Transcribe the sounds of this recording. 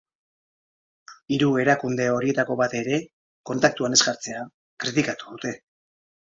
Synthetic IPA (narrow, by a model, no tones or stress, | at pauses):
iɾue̞ɾakund̪e̞o̞ɾie̞t̪ako̞βat̪e̞ɾe̞ | ko̞nt̪ak̚t̪uane̞zɡaɾt͡se̞a | kɾit̪ikat̪u̥ðut̪e̞